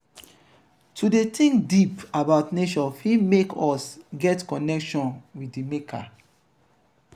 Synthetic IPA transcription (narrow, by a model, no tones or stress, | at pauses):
tʰudetĩŋkdipabaʊtneʃɔfimekɔsɡɛtkɔnɛkʃɔ̃nwiddimekʰa̰